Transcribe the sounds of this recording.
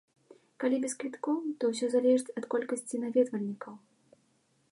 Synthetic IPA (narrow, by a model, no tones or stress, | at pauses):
kalʲibʲɛskvʲit̪kɔwt̪ɔwsʲɔzalʲɛʐɨt͡sʲɐt̪kɔlʲkɐsʲt͡sʲinavʲɛd̪vɐlʲnʲikɐw